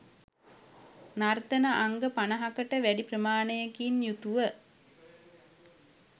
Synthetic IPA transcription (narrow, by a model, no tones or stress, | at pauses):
nart̪ənəʔaŋɡəpanəɦakəʈəʋæɖiprəmaːnəjəkinjut̪uʋə